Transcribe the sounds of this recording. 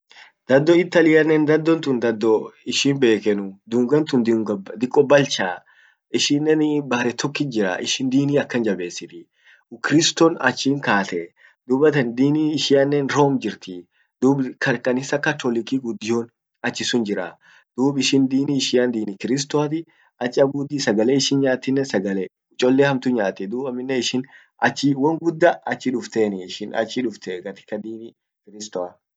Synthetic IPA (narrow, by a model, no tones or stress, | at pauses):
d̪̥ɐd̪ːɔɪt̪ːɐlɪjɐnːɛnd̪ɐd̪ːɔnt̪ʊnd̪ɐd̪ːɔɪʃɪnbe̞ːkɛnʊd̪uːŋɡɐnt̪ʊnd̪ɪɡɐbd̪ɪkʼːɔbːɐlt͡ʃaː | ɪʃɪnːɛnbɐɾɛt̪ʰɔkːɪd͡ʒɪɾa̰ʔɪ̰ʃɪnd̪iːniːɐkːɐnd͡ʒɐbe̞ːsːɪt̪ɪ | kɪɾɪst̪ɔnɐ̰t͡ʃːiːŋkaːt̪ɛ | d̪uːbɐt̪ɐnd̪iːniːʃɪjɐnːɛnɾoːmd͡ʒɪɾt̪i | d̪̥uːbkɐkɐnɪsːɐkɐt̪ɔlɪkiːɡʊd̪ːɪjoːn | ɐt͡ʃːɪsʊnd͡ʒɪɾa | d̪̥uːbɪʃɪnd̪iːniːʃɪɐnd̪iːnikɪɾɪs̬t̪wat̪̬ɪ | ɐt͡ʃːɪɐbuːd̪iːsɐɡɐleːɪʃɪnɲaːt̪ːɪnːɛsɐɡɐleː | ʊt͡ʃʼːɔlːeːhɐmt̪ʊɲaːt̪ːɛd̪uːbɐmːɪnːɛɪʃɪn | ʔɐt͡ʃːɪwɐŋɡʊd̪ːɐʔɐt͡ʃːɪᶑʊft̪eːnɪɪʃɪnɐ̰t͡ʃːɪᶑʊft̪eɡɐt̪ɪ̥kːɐd̪iːni | kɪɾɪst̪ɔa